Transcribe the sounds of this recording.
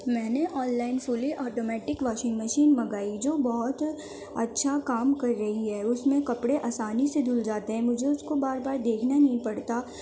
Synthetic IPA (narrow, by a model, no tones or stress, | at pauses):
mɛ̃ːneʔɔːnlaːɪnfʊliʔɔːʈoːmɛːʈɪkʋaːʃɪ̃ŋɡmɐʃiːnmɐɡaːid͡ʒoːbɔɦʊt̪ | ɐ̰tːʃʰakaːmkɐɾːɐɦiɦɛːʊsmẽkɐpɽeʔaːsaːnised̪ʊld͡ʒaːt̪eɦɛ̃mʊd͡ʒʱeʊskobaːɾbaːɾd̪eːkʰnanɐɦĩpɐɽt̪a